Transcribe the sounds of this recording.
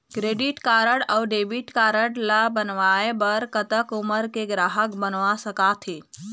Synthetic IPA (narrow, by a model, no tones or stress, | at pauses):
kɾeːɖɪʈkaːɾəɽɔwɖeːbiʈkaːɾəɽlabənʋaːebəɾkət̪əkʊməɾkeɡɾaːɦəkbənʋasəkat̪ʰeː